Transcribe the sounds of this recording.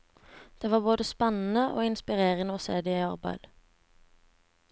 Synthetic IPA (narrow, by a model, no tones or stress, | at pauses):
d̪̥eːʋɑːboːd̪əspɛnn̩əʔo̰ːɪnspɪʁeːʁənəoːsḛːd̪ɛiːɑʁbæ̰ɪl